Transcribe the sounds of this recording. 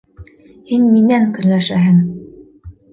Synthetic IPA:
hinminæŋkɵ̆nlæʃæɦɘŋ

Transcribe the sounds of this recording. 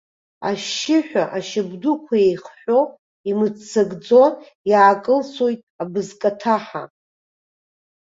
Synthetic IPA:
a̰ʃɪħᶣaʔaʃɪbdukʷʰajejχħʷᶣo̞ | imɨd͡zt͡sʰːaɡd͡zo̞ | jaːkʼɨlsojtʼabɨzkʼatʰaħa̰

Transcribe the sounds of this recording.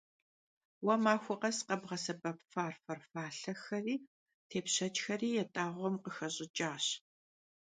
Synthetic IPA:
wɐmaːxʷɔqɐsqɐbʁɐsɐbʼɐpfaːrfɐrfaːɬɐxɐriː | tʰeːpɕɐt͡ʃʼxɐriːjɛtʼaːʁʷɔmqəxɐɕʼɪt͡ʃʼaːɕ

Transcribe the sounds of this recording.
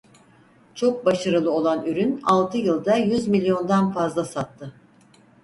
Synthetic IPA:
t͡ʃʰo̞k̚baʃaɾɯlˠɯo̞lˠanyɾynalˠt̪ʰɯjɯlˠd̪ajyzmilʲjo̞nd̪anfazlˠasat̪ːɯ

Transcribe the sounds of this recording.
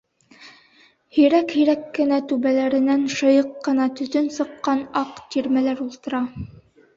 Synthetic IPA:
hiɾækhiɾækːɘ̆næt̪ʉβælæɾɘ̆nænʃɤ̆jɤqːɤ̆nɑt̪ɵ̆t̪ɵnsɤ̆qːɑnɑqt̪iɾmælæɾulˠt̪ɤ̆ɾɑ

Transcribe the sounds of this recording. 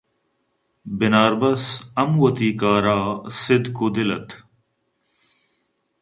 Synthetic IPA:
bɪnaːɾbɐsɐmwɐt̪iːkaːɾaːsɪd̪kud̪ɪlɐt̪

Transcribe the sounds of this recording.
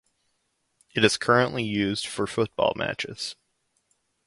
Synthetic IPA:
ɨɾɨz̥kʰɜ˞ɨ̃nʔlijʉzd̥fə˞fʊt̚b̥ɔ̰lˠmæ̰t͡ʃɪ̰z̥

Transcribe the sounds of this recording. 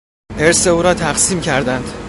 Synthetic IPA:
eɾse̞uːɾɒːt̪ʰæɣsiːmcʰæɾd̪ænd̪̥

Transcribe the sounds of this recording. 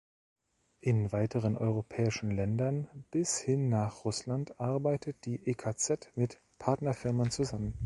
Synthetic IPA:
ʔɪnvaɪtəʁ̞ənʔɔ̰ʏʁopʰɛːɪʃn̩lɛndɐnb̥ɪshɪnːaːχʁʊslantʔaɐbaɪtʰət̚d̥iːʔeːkʰat͡sɛtmɪt | pʰaɐtnɐfɪɐmənt͡suzamən

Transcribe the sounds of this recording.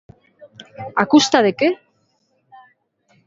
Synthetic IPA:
akust̪aðeke

